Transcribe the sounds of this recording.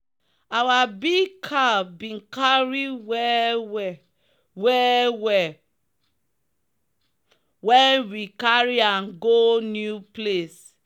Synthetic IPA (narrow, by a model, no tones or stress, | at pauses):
awabiɡkʰabĩnkaɹiwɛ | wɛwɛ | wɛ̃nwikaɹiãnɡonjuples